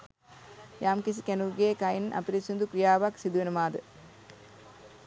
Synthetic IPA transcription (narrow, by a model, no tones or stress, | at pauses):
jaːmkis̬ikænuɡeːkɐjinʔɐ̰piɾisund̪ukɾijaːʋɐksid̪uʋenɐmaːd̪ə